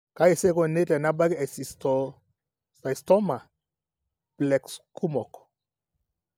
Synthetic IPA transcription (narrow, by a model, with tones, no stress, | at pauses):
ka˦ɛ˨sɛ˦kɔ˨ne˦tɛ˨na˦ba˦ɡi˦ɛ˨si˨stɔ˨ | sa˨istɔ˦ma˨ | b̥lɛ˨kskʰu˦mɔ˨k